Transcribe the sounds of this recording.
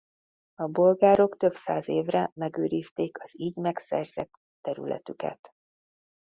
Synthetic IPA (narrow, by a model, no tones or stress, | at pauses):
ɒbo̞lɡaːɾo̞kt̪ø̞psaːzeːvrɛmɛɡøːɾiːst̪eːkɒz̥iːɟmɛksɛ̰rz̥ɛt̪ːɛɾy̰lʔɛ̰t̪ykɛ̰t̪